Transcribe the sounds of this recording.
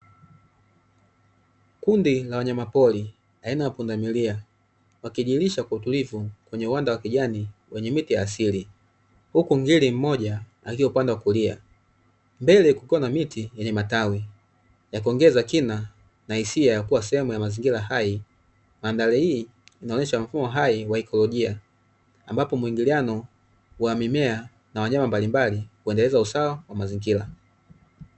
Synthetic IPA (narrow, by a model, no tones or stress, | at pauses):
kundilawaɲamapɔli | ainaapundamilia | wakiʄiːliʃakwautulivukwɛɲɛuwandawakiʄaniwɛɲɛmitijaːsili | hukuŋɡilim̩mɔʄa | akiɔpandawakulia̰ | mbɛlɛkukiwanamitʰijɛɲɛmatawi | jakɔŋɡɛzakina | nahisiajakuwasɛhɛmujamaziŋɡilahai | mandalɛhiː | naɔɲɛʃam̩fumɔɦaiwaɛkʰɔlɔʄiaː | mbapɔmuiŋɡilianɔ | wamimɛa | nawaɲamambalimbalikuɛndɛlɛzausawawamaziŋɡila